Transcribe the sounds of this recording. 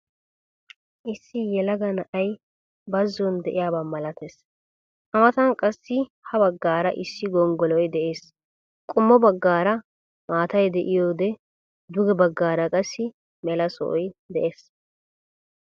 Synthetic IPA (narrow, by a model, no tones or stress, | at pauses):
ʔɪsːɪjɛlɐɡɐnɐʔɐj | bɐzːɔnd̪ɛʔɪjaːbamɐlɐt̪es | ʔɐmɐt̪ɐnkʼɐsːɪ | hɐbɐɡːaːɾɐʔɪsːɪɡɔŋɡɔlɔjd̪ɛʔeːs | kʼʊmːɔbɐɡːaːɾɐ | maːt̪ɐjd̪ɛʔɪjoːd̪ɛ | d̪ʊɡɛbɐɡːaːɾɐkʼɐsːɪ | mɛlɐsɔ̰ʔɔjd̪ɛʔeːs